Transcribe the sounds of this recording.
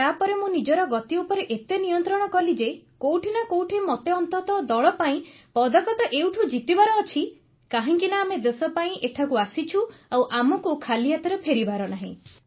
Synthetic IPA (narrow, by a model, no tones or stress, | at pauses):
t̪apɔɾemũnid͡ʒɔɾɔɡɔt̪iupɔɾeʔet̪enijɔnt̪ɾɔɽ̃ɔkɔlid͡ʒekowʈʰinakowʈʰimɔt̪eɔnt̪ɔt̪ɔd̪ɔɭɔpaĩpɔd̪ʱakɔt̪ɔʔewʈʰũd͡ʒit̪ibaɾɔːt͡ʃʰi | kaɦĩŋkinaːmed̪esɔpaĩʔeʈʰakuasit͡ʃʰuawʔamɔkukʰaliat̪ɔɾepʰeɾibaɾɔnaɦḭ̃